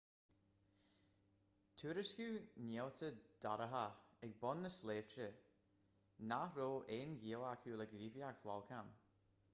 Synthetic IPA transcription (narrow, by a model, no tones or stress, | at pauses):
tʰuːɾəskuːnɛwt̪ʰəd̥aɾəɦaɛɡ̚bɔnːəsleːv̥tɾə | naɾoːʔeːnɡiːəlakʰuːləɡɾiːvjiaɡflalˠkʰam